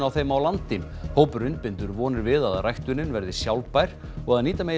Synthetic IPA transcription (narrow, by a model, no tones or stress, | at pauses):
awθejmawlant̪ɪm | howpʏɾʏnt̪̚pɪnt̪ʏɾvɔːnɪɾvɪðaðrajht̪ʏnɪnvɛɾðɪsjawlpajɾ̥ | ɔɣaðniːt̪amej